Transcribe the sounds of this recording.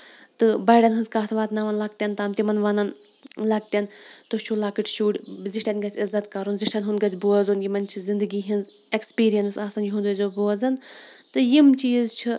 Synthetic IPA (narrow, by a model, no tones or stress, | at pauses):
t̪ɨbɐjɖʲɐnɦɨnzkaːt̪ʰʋaːt̪nɐʋɐnlɐk̚ʈʲɐnt̪aːmt̪imɐnʋɐnɐn | lɐk̚ʈʲɐnt̪ot͡ʃʰulaːkiʈʰʃuːɽʲziʃʈʲɐnɡɐt͡sʰʲizːɐt̪kɐɾunziʃʈʲɐnɦunɡɐt͡sʲboɐzunjimɐnt͡ʃʰizind̪ɨɡiːɦinz | ekspiːɾijɐnsaːsɐnjiɦund̪uzoboːɐzɐnt̪ɨjimt͡ʃiːzt͡ʃʰi